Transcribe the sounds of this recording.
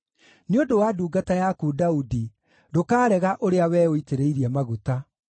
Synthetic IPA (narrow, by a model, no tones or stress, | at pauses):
neondowaduːɡatajakuːdaudi | dokaːɾɛɣaʔoɾeawɛːoiteɾeiɾiɛmaɣuta